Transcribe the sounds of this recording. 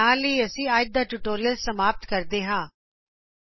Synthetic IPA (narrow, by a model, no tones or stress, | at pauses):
ãːləiɐsĩːaːd͡ʒ̚d̪aːʈʊʈoːɾijəlsəmaːp̚t̪kɐɾt̪eːɦãː